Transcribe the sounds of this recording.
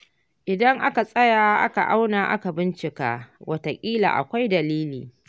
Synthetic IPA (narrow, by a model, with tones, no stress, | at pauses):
ʔɪ˨dɐ˦ŋʔa˦ka˨sʼɐ˦jaː˨ʔa̰˦ka˨ʔa˦wnaː˨ʔa̰˦ka˨bɪ˦nt͡ʃɪ˨ka̰ː˦wʔɐ˦ta˨kʲʼiː˦la̰˨ʔa̰˨kʷa˦jdɐ˨liː˦liː˨